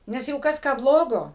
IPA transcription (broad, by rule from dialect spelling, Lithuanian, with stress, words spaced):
ˈnʲɛs ˈjɛɪɡʊ ˈkɐs ˈkɑː ˈblˠoːɡoː